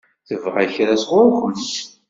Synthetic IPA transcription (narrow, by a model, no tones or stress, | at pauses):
θəvʁaçɾæsʁʊɾxəms